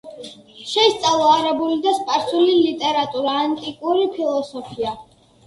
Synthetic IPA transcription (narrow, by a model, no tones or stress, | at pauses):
ʃɛist̪sʼalˠɔaɾɛbulid̪aspʼaɾsulilit̪ʼɛɾat̪ʼuɾaːnt̪ʼikʼuɾipʰilˠɔsɔpʰia